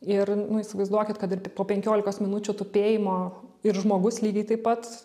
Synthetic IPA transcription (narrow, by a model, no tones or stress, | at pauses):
ɪrnʊɪsʲɪʋɐɪzd̪uɔkʲɪt̪kɐt̪ɪɾpoːpʲɛŋʲkʲoːlʲɪkoːsmʲɪnʊt͡ʃʲʊt̪ʊpʲeːjɪmoːɪɾʒmoːɡʊslʲiːɡʲɛɪt̪ɐɪpɐt̪